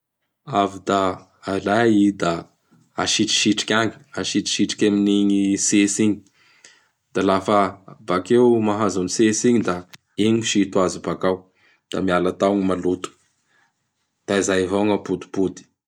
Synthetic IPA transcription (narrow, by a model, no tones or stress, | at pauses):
avid̪aː | laid̪aː | ʃiʈ͡ʂi̥ʃiʈ͡ʂi̥kʲaŋi̥aʃiʈ͡ʂi̥ʃiʈ͡ʂi̥kʲaminiɲisesiɲi | d̪̥alafəbakewmaɦazanisesiɲid̪a | eɲiʃit̪uazibakaw | d̪̥amialat̪awŋimalut̪u̥ | d̪̥aizajvaŋapud̪i̥pud̪i̥